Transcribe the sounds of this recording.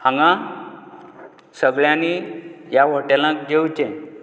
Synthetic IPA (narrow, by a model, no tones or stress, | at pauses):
ãŋɡã | səɡɭjãnijaʋəʈelãk̚d͡ʑewt͡ɕɛ̃